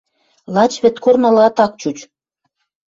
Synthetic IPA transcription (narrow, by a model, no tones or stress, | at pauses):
lɑt͡ɕβɘ̆t̪kornɤ̆lɤ̆ɑt̪ɑk̚t͡ɕut͡ɕ